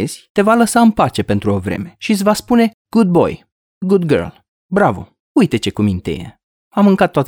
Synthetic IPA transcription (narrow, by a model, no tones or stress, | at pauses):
z̥ʲt̪e̞valəsaɨnpat͡ʃe̞pe̞nt̪ɾuo̞vɾe̞̰me̞ʃit̪sʲvaspune̞ | ɡ̥ud̪̚bo̞̰j | ɡud̪ɡə̰rl | bɾavo̰ | ujt̪e̞t͡ʃe̞kumint̪ḛjḛ | amɨŋkat̪ːoat̪